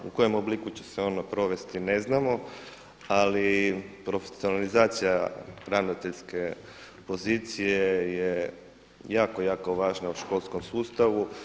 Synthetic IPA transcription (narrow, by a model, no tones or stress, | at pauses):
uko̞jomoblikut͡ɕe̞̥seo̞ːnopɾoʋe̞st̪ine̞znamo̞ | alipɾo̞fesio̞nalizaːt̪sijaɾaʋnot̪e̞ʎske̞ | po̞ziːt̪sijeje | jaːkojaːko̞ʋaːʒnauʃko̞lˠsko̞msuːst̪aʋu